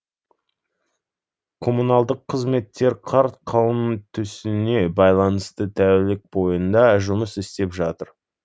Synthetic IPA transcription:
kʰo̞munɑlˠd̪əqʰːəzme̞t̪ːe̞ɾqʰɑɾt̪qʰɑwəmt̪ʰʏsɪne̞bɑjlˠɑnəst̪ət̪ʰæwɪlɪk̚bo̞jənd̪ɑʒʊməsɪst̪e̞pʒɑt̪əɾ

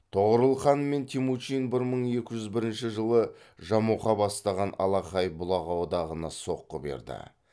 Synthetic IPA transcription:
t̪ʰoʁəɾəlˠχɑnme̞nt̪ʰimut͡ʃinbɪɾməɴe̞kʲɪʒʏzbɪɾɪnʃɪʒəlˠə | ʒɑmuqɑbɑst̪ɑʁɑnɑ̰lˠɑqɑjbʊlˠɑʁɑwod̪ɑʁənɑso̞qːəbe̞̰ɾd̪ɪ̰

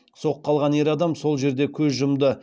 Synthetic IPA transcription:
so̞qʰːɑlˠʁɑne̞ɾɑd̪ɑmso̞lˠʒe̞ɾd̪e̞kʲʰɵzʒʊmd̪ə

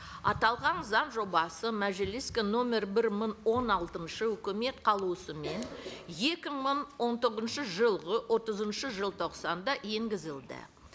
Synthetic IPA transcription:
ɑ̰t̪ɑlˠʁɑnzɑnʒo̞bɑsəmæʒɪliskʲeno̞mʲe̞ɾbɪɾməɴwo̞nɑlˠt̪ənʃəʏkʲɪme̞t̪qʰɑlˠuəsəme̞nje̞kʲɪɴməɴwo̞nt̪ʰoʁəzənʃəʒəlˠʁəwo̞t̪əzənʃəʒəlˠt̪ʰo̞qsɑnd̪ɑje̞ŋɡʲɪzɪld̪ɪ̰

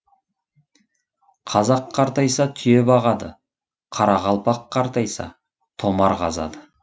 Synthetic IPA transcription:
qʰɑzɑqʰːɑɾt̪ɑjsɑt̪ʰʏje̞bɑʁɑd̪ə | qʰɑɾɑʁɑlˠpɑqːɑɾt̪ɑjsɑ̰ | t̪ʰo̞mɑɾqʰɑ̰zɑ̰d̪ə

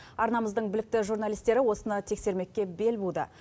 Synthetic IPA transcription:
ɑɾnɑməzd̪əɴbɪlɪk̚t̪ɪʒuɾnalijst̪e̞ɾɪwo̞sənɑt̪ʰe̞kse̞ɾme̞kʲːe̞be̞lbud̪ə̰

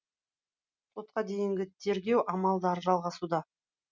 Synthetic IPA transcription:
t̪ʰo̞t̪̚qɑd̪e̞jɪŋɡʲɪt̪ʰe̞ɾɡʲe̞wʔɑmɑlˠd̪əɾʒɑlˠʁɑsud̪ɑ

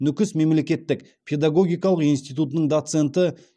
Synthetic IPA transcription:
nʏkʲɪsme̞mle̞kʲe̞t̪ːɪk | pʲʰe̞d̪aɡo̞ɡʲijkɑlˠəqijnst̪ijt̪ut̪ənəɴd̪ot̪se̞nt̪ə

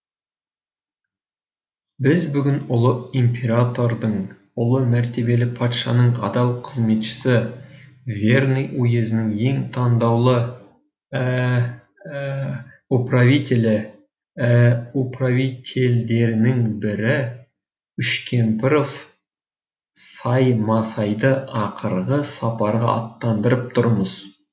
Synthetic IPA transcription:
bɪzbʏɡʲɪnʊlˠəimpʲʰe̞ɾat̪o̞rd̪əɴ | ʊlˠəmæɾt̪e̞be̞lɪpʰɑt̪ʃɑnəɴɑ̰d̪ɑlˠqʰəzme̞t̪ʃɪ̥sɪ | vʲe̞rnijojezɪnɪŋe̞ŋt̪ʰɑnd̪ɑwlˠə | upravit̪ʲe̞lɪ | upravit̪ʲʰe̞ld̪e̞ɾɪnɪŋbɪɾɪ | ʏʃkʲʰe̞mpɪɾof | sɑjmɑsɑjd̪əʔɑqʰəɾʁəsɑpɑɾʁɑ̰ɑ̰t̪ːɑnd̪əɾəp̚t̪ʰʊɾməz̥

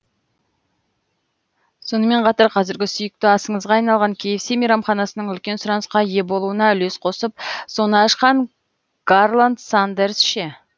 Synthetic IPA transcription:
so̞nəme̞ɴqʰɑt̪ɑɾqʰɑzɪɾɡʲɪsʏjɪk̚t̪ɪɑsəɴəzʁɑːjnɑlˠʁɑŋkʲʰejɪpsejmijɾɑmχɑnɑsənəɴʏlkʲe̞nsʊɾɑnəsqɑje̞bolˠuənɑʏle̞sqʰo̞səp̚so̞nəːʃqɑɴ | ɡ̥arlˠand̪sand̪eɾsʃe

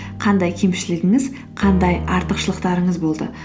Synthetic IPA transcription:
qʰɑnd̪ɑjkʲʰe̞mʃɪlɪɡʲɪŋɪz | qʰɑnd̪ɑjɑɾt̪əqʃəlˠəqt̪ɑɾəɴəzbo̞lˠd̪ə̰

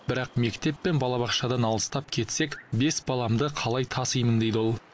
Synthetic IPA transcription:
bɪɾɑqme̞kt̪e̞pːe̞nbɑlˠɑβɑqʃɑd̪ɑnɑlˠəst̪ɑp̚kʲʰe̞t̪se̞kbe̞sbɑlˠɑmd̪əqʰɑlˠɑjt̪ʰɑsəjmənd̪e̞jd̪ɪo̞lˠ

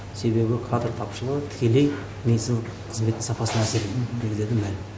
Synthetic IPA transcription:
se̞be̞bɪkʰad̪rt̪ʰɑpʃəlˠəʁət̪ʰɪ̥kʲe̞le̞j | nejsɪz | qʰəzmet̪ːɪŋsɑpɑsənɑseɾed̪d̪ekʲd̪e̞d̪ɪmælɪm

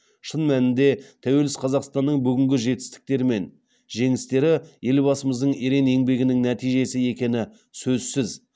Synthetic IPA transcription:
ʃənmænɪnd̪e̞t̪ʰæwe̞lɪsqʰɑzɑqst̪ɑnːəɴbʏɡʲɪŋɡʲɪʒe̞t̪ɪ̥st̪ɪ̥k̚t̪e̞ɾɪme̞n | ʒe̞ŋɪst̪e̞ɾɪje̞lbɑsəməzd̪əɴeɾe̞ne̞ŋbe̞ɡʲɪnɪŋnæt̪ijʒe̞sɪe̞kʲe̞nɪ | sɵzsɪz

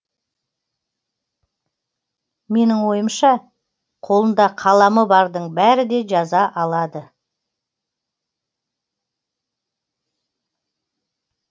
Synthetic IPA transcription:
me̞nɪŋwo̞jəmʃɑ | qʰo̞lˠənd̪ɑqʰɑlˠɑməbɑɾd̪əɴbæɾɪd̪e̞ʒɑzɑʔɑlˠɑd̪ə

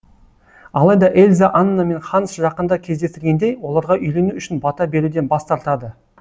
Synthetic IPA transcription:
ɑlˠɑjd̪ɑʔe̞lʲzaʔɑnːɑme̞nχɑnəsʒɑqənd̪ɑkʲʰe̞zd̪e̞st̪ɪɾɡʲe̞nd̪e̞jwo̞lˠɑɾʁɑʔʏjle̞nuʏʃɪnbɑt̪ɑbe̞ɾud̪e̞nbɑst̪ɑɾt̪ɑd̪ə

